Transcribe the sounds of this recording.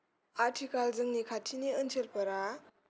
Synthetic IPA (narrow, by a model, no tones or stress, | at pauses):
aɾtʰikalzɯŋnikʰatʰiniɯnsʰelpɐɾa